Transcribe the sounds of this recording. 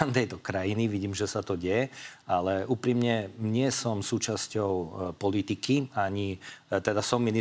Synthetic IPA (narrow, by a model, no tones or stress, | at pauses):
ant̪ɛjt̪ɔkɾajiniʋiɟiːmʒɛsat̪ɔɟɛjɛʔalɛʔuːpɾimɲɛɲɪɛsɔmsuːt͡ʃascɔʊpɔlit̪ikiaɲit̪ɛd̪asɔmːini